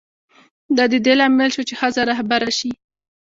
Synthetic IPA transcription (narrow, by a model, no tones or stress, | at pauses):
d̪ɑd̪əd̪elɑmɪlʃot͡ʃexəzaɾahbaɾaʃi